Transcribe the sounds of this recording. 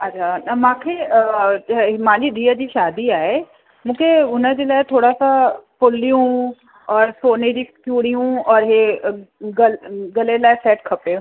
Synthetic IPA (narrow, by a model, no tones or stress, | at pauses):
ɐt͡ʃʰaːnɐmãːkʰe | ɦɪmaːlid̪ijəd͡ʒiʃaːd̪iaːe | mũːkʰeʊnə̃d͡ʒelaːt̪ʰoːɽasapʊlijũ | ɔːɾsoːned͡ʒiːkjuːɽijũːɔːɾɦe | ɡəlɡəlelaːsɛːʈkʰɐpẽː